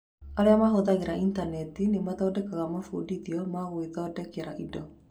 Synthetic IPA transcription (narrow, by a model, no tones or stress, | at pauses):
aɾeamaɦoðaɣeɾaintanɛtinematɔːdɛkaɣamafṵdiðiɔmaɣweðɔːdɛkeɾaʔidɔ